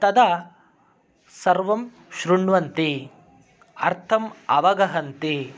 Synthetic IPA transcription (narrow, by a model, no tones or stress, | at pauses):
t̪ɐd̪ɐ | sɐɾʋɐm | ʃɾuɳʋɐnt̪i | ɐ̰ɾt̪ʰɐmɐʋɐɡɐɦɐnt̪i